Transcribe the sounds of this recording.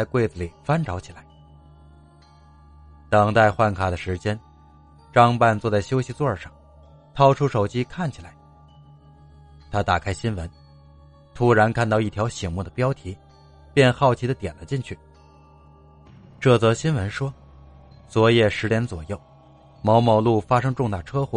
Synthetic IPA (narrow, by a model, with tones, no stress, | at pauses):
t͡sa˥˧ɪkwe˥˩ɪd͡zɹə˧˩li˨˩fa˥nʈ͡ʂɑ˧˥ʊt͡ɕʰi˨˩la˧˥ɪ | t̪ɤ˨˩ŋt̪a˥˧ɪxwa˥˩nkʰa˨˩d̪ə˦ʂɻ̩˧˥t͡ɕjɛ˥n | ʈ͡ʂɑ˥ŋpa˥˧nt͡swɔ˥˧t͡sa˥˩ɪɕjo˥ʊɕi˧t͡swɔ˥˩ʂɑ˥˩ŋ | t̪ʰɑ˥ʊʈ͡ʂʰu˥ʂo˨˩ʊt͡ɕi˥kʰa˥˩nt͡ɕʰi˨˩la˧˥ɪ | t̪ʰa˥t̪a˨˩kʰa˥ɪɕi˥nwə̰˧˥n | t̪ʰu˥ɻa˧˥nkʰa˥˧nt̪ɑ˥˧ʊi˥˩t̪ʰjɑ˧˥ʊɕi˨˩ŋmu˥˩d̪ə˩pjɑ˥ʊt̪ʰi˧˥ | pjɛ˥˧nxɑ˥˩ʊt͡ɕʰi˧˥d̪ə˧t̪jɛ˨˩nlə˦t͡ɕi˥˧ŋt͡ɕʰy˥˩ | ʈ͡ʂɤ˥˩t͡sɤ˧˥ɕi˥nwə˧˥nʂwɔ˥ | t͡swɔ˧˥jɛ˥˩ʂɻ̩˧˥njɛ˧˥nt͡swɔ˨˩jo˥˩ʊ | mɑ˧˥ʊmɑ˧˥ʊlu˥˩fa˥ʂɤ˥ŋʈ͡ʂʊ˥˧ŋt̪a˥˩ʈ͡ʂʰɤ˥xwɔ̰˥˩